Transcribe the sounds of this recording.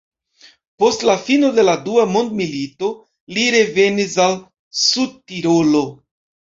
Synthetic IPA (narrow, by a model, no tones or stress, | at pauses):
po̞stlafino̞de̞laduamo̞nd̪milito̞ | liɾe̞ve̞nisal | sud̚tiɾo̞lo̞